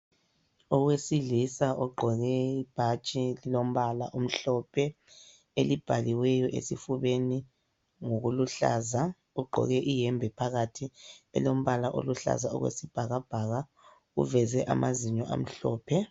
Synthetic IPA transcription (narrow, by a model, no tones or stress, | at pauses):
ɔɣwesiɮisaʔɔɡ͡ǃʱɔɣɛib̥ʱat͡ʃʼililom̩βalaʔum̩ɬɔpʰɛ | elib̥ʱaliwɛjɔʔḛsifuβeni | ŋoɣuluɬa̰za | uɡ͡ǃʱɔ̰ɣɛʔijɛmbʱɛpʰaɣatʰiɛ̰lom̩βalaʔo̰luɬa̰zaɔ̰ɣwḛsib̥ʱaɣab̥ʱaɣa | ṵvɛzɛʔa̰mʔaziɲɔʔa̰m̩ɬɔ̰ːpʰɛ